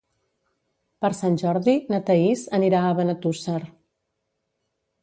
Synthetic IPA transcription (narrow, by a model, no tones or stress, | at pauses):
pəɾsanʲʒɔɾðinət̪əizəniɾaəβənət̪usəɾ